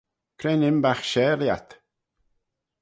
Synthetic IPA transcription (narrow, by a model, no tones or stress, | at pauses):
kʰɾɛnɪmbaxʃɛːɾja̰t̪